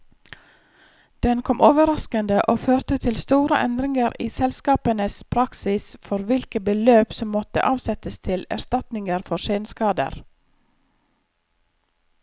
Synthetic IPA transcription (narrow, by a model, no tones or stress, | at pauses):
d̪̥ɛnkʰɔmʔoːʋəɾɑskənd̪əʔoːføːɾt̪ət̪ʰɪlst̪uːɾə̰ʔɛ̰nd̪ɾɪŋəɾiːsɛlskɑːpənəspʰɾɑksɪsfɔɾʋɪlkəbəløːpsɔmːɔt̪ə̰ʔɑːʋsɛt̪əst̪ʰɪlæ̰ɾst̪ɑt̪nɪŋəɾfɔʃeːnskɑːd̪ə̰ɾ